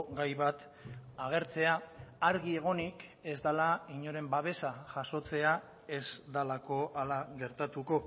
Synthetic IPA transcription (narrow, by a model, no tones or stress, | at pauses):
ɡajβat̪ | aɣ̞e̞ɾt͡se̞aːaɾɣie̞ɣ̞o̞nike̞zd̪alaiɲo̞ɾe̞mbaβ̞e̞saʝaso̞t͡se̞a | e̞zd̪alako̞ʔalaɣe̞ɾt̪at̪uko̞